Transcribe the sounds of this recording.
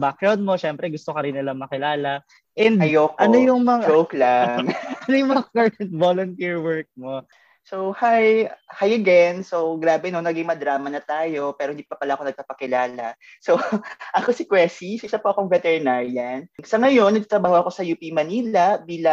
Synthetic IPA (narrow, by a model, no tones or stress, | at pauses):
bakjonmoʃɛmpɾɛɡʊst̪okɐɾɪnːɪlɐŋmɐkɪlaːlɐ | ʔɛnd̪ɐjoːkʔɐnojʊŋmɐŋaowklaɐnojmɐŋakaɹɐnt̪̚voːlont̪iɹwɛɹk̚mo | sohajhajɐɡɛnso̞wɡɾaːbɛnonɐɡɪŋmɐd̪ɾaːmɐnɐt̪aːjo̞pɛːɾoɪnd̪ipɐpɐlaʔɐko̞nɐɡ̚papɐkɪlaːlɐ | so̞ʔɐko̞sɪkwɛsisʔɪsɐpoɐkoŋvɛt̪ɛɹnaɹlan̚sɐŋɐjo̞nːɐɡ̚t̪at̪ɾɐbaːɦoʔɐko̞sɐjuːpimɐniːlɐbiːlɐŋ